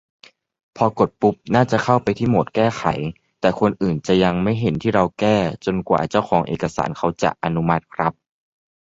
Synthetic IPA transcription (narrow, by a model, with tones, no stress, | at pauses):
pʰɔː˧ko˨˩t̪̚pu˦˥p̚naː˥˩t͡ɕa˨˩kʰa˥˩wpa˧jt̪ʰiː˥˩mo˨˩t̪̚kɛː˥˩xʰa̰˩˦j | t̪ɛː˨˩kʰo˧nʔɯː˨˩nt͡ɕa˨˩ja˧ŋma˥˩jɦe˩˦nt̪ʰiː˥˩ɾa˧wkɛː˥˩t͡ɕo˧nkwa̰ː˨˩t͡ɕa˥˩wxʰɔː˩˦ŋʔḛː˨˩ka˧sa̰ː˩˦nkʰa˧˥wt͡ɕa̰˨˩ʔa˧nu˦˥ma˦˥t̪̚kʰɾa˦˥p̚